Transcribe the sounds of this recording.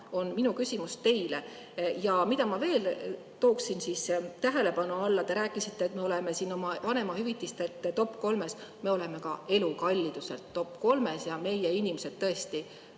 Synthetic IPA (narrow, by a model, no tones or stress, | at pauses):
o̞nminukysʲimust̪e̞jle | jɑmid̪ɑmɑve̞ːl | t̪o̞ːksinsist̪æɦe̞le̞pɑnuɑlːɑt̪e̞ɾæːkːˑisit̪ːeːt̪me̞ole̞me̞siːno̞mɑvɑne̞mɑhyvit̪ːˑist̪e̞lt̪ːˑt̪o̞pːko̞lme̞sme̞o̞le̞me̞kɑe̞lukɑlʲːid̪use̞̰lt̪ːo̞pːˑko̞lme̞sjɑme̞jeinʲimesed̪̥̚t̪ːɤe̞st̪i